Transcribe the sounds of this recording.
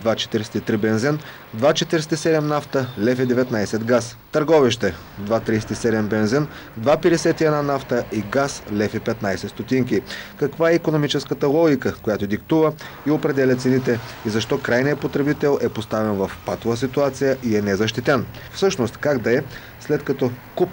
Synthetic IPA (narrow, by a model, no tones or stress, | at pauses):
d̪vat͡ʃɛ̥t̪iɾsɛ̥t̪it̪ɾibɛnzin | d̪vat͡ʃɛt̪iɾsɛt̪isɛd̪ɛmnaft̪əlɛfid̪ɛvɛt̪najsɛt̪ɡast̪əɾɡɔviʃt̪ɛ | d̪vat̪ɾijsɛ̥t̪isɛd̪ɛmbɛnzin | d̪vapɛd̪ɛsɛt̪iɛd̪nanaft̪əʔiɡaslɛfipɛt̪najsɛt̪st̪ot̪iŋkʲikɐkvaɛikonomit͡ʃɛskət̪əlˠɔɡʲikəkojat̪od̪ikt̪uvə | iopɾɛd̪ɛlʲɐt̪sɛnit̪ɛizɐʃt̪ɔkɾajnijəpot̪ɾɛbit̪ɛlˠʔɛpost̪avɛnvɐfpat̪ovəsit̪uat̪sijəʔiɛnɛzɐʃ̬t̪it̪ɛnfsɤʃnost̪kaɡd̪ɐɛ | slɛt̪kɐt̪ɔkup